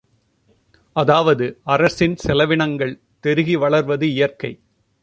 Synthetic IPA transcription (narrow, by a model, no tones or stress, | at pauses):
ɐðaːʋɐðɯɐrɐsɪnsɛlɐʋɪɳɐŋɡɐɭ | t̪ɛɾɯɣiʋɐɭɐɾʋɐðɯɪjɐɾkɐɪ